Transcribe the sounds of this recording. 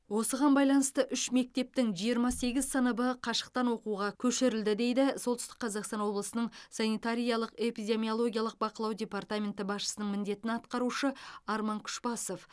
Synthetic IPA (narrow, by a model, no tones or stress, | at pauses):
wo̞səʁɑnbɑjlˠɑnəst̪əʔʏʃme̞k̚t̪e̞p̚t̪ɪŋʒijəɾmɑse̞ɡʲɪzsənəbəqʰɑʃə̥q̚t̪ɑnwo̞quʁɑkʲʰɵʃɪɾɪld̪ɪd̪e̞jd̪ɪsolˠt̪ʏst̪ə̥qʰːɑzɑqst̪ɑnwo̞blˠəsənəɴsɑnijt̪aɾʲijɑlˠəqe̞pijd̪ʲe̞mʲio̞lˠo̞ɡʲijɑlˠəq̚bɑqəlˠɑwdʲe̞pɑrt̪amʲe̞nt̪ɪbɑsʃə̥sənəɴmɪnd̪e̞t̪ɪnɑt̪qɑɾuʃəɑɾmɑŋkʲʰʏ̥ʃbɑsof